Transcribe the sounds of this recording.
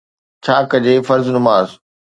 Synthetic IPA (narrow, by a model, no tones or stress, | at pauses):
t͡ɕʰaːkɐd͡ʑeːfɐɾznʊmaːz